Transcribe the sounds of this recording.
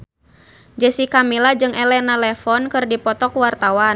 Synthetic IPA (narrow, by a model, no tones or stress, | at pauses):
d͡ʒɛsikamilad͡ʒɨŋʔɛlɛnalɛfɔnkɨrdipɔt̪ɔkwart̪awan